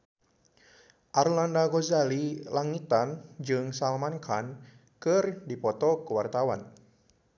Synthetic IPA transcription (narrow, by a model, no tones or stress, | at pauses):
ʔarlandaɡɔzalilaŋit̪and͡ʒɨŋsalmankʰan | kɨrdipɔt̪ɔkəwart̪awan